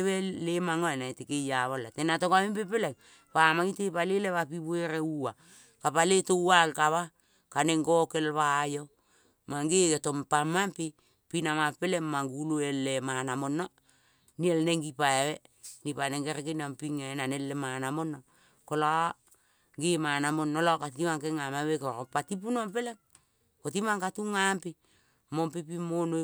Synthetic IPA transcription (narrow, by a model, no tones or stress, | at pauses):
βelemaŋoenaetekejaβalatenatokamempepelaj | pamaɡitepaleleβapiβueɾeua | kapaletowalkaβa | kaneŋɡoke̞lβaːjo̞ | maŋɡeɡeto̞mpamampi | pinamapelemːaŋɡuluelːemanamo̞no | nielneŋɡipaewenipaneŋɡeɾekenampiŋenanelːemanamonːo | kola | ɡemanamonːolokatimaŋkeŋamaβekoɾopatip̬unompe̞lem | kot̬imaŋkatuŋampi | mompipimono